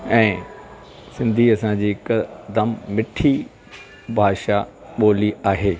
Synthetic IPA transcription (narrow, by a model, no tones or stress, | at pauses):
ɛ̃ː | sɪ̃nd̪ʱiɐsãd͡ʑiːkɐd̪əmːɪʈʰi | bʱaːʃa | ɓoːliaːɦeː